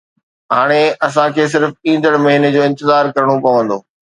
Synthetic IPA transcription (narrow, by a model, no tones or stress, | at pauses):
ɦaːɽ̃eɐs̬ãkʰeːs̬ɪɾfĩːn̆d̪əɽ̃mɐɦiːned͡ʑoːɪ̃nt̪ɪzaːɾkɐɾəɽ̃opɐʋə̃nd̪oː